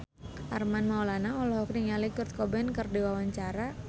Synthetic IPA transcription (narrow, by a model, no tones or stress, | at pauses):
ʔa̰rmanmaulanaɔlɔɦɔk̚niŋalikʊrt̪̚kɔbɛnkərdiwawaɲt͡ʃaɾa